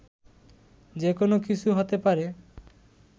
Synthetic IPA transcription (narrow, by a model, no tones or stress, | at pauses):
d͡ʒekonokit͡ʃʰuɦot̪epaɾe